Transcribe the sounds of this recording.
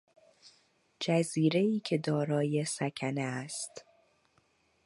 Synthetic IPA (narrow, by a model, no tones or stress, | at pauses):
d͡ʒæziːɾe̞iːcʰe̞d̪ɒːɾɒːje̞sækʰæneæst̪